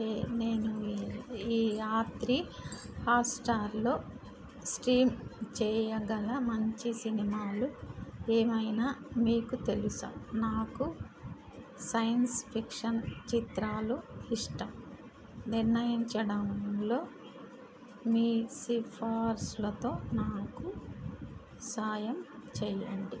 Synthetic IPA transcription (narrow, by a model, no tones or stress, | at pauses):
ne̞ːnu | iːaːt̪ɾihaːpsʈaːɾlo̞ː | sʈiːmt͡ʃɛːjɐɡɐlɐmɐɲt͡ʃisinimaːlueːmɐjnaːmiːkut̪e̞lusa̰ːnaːku | sɐjɐnspʰikʂɐnt͡ʃit̪ɾaːluiʂʈɐm | niɾnɐjiɲt͡ʃɐɽɐmlo̞ː | miːsipʰaːɾslɐt̪o̞ːnaːku | saːjɐmt͡ʃɛːjɐ̰ɳɖi